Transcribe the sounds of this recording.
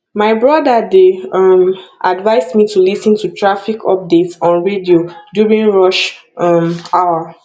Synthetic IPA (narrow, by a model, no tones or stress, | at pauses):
maɪbɹɔdadeɔmʔadvaɪsmitulisɔ̃ntutʰɹafikʰɔ̰p̚detsɔ̃nɹediodjuɹĩnɹɔʃ | ɔmawa